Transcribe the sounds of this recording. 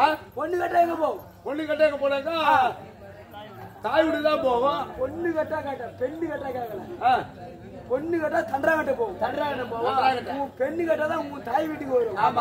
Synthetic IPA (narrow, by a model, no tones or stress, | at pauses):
apɔnːɯkɐʈːɐɛkːɐpoːɣɐ̃ | pɔɳːɯkɐʈːɐɛkːɐpoːɾãːkaː | t̪aːjɪʋɪɽɯt̪ãːpoːɣõpɔnːɯkɐʈːaːkɐːʈːɐ̃pɛɳːɯkɐʈːɐkaːkɐlɐaː | pɔnːɯkɐʈːãːt̪ɐɳɖɾaːkɐʈːɐpoːɣɐ̃t̪ɐnɖɾaːkɐʈːɐpoːɣ̃akɐʈːpɛɳːɯkɐʈːɐt̪ãːʊʊ̃t̪aːjʋɪʈːɯpoːɾõːaːma